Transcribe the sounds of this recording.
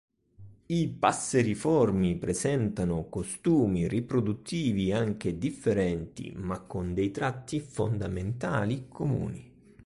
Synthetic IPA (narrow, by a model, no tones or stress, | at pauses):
ipasːeɾifɔrmipɾezɛnt̪anʊkost̪uːmiripɾod̪ut̪ʰːiːviaŋk̟ed̪ifːeɾɛnt̪ḭmakːond̪ɛjt̪ɾat̪ːifo̰nd̪ament̪aːlikʰomṵːnḭ